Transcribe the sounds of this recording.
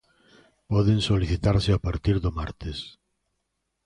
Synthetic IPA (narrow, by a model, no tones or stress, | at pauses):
pɔðẽnsoliθit̪aɾseapaɾt̪iɾðomaɾt̪es